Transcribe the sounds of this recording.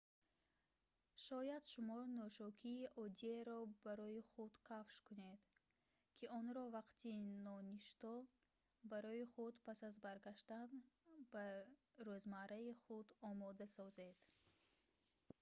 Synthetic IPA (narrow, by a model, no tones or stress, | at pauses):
ʃɔjad̪ʃumɔnɔʃɔkʰiːʔɔd̪ieɾɔbaɾɔiχud̪kʰafʃkuned̪̥ | kʰiɔnɾɔvaqt̪ʰinɔniʃt̪ɔ | baɾɔiχud̪pʰasazbaɾɡaʃt̪anbaɾøzmaɾaiχud̪ɔmɔd̪asɔzed̪̥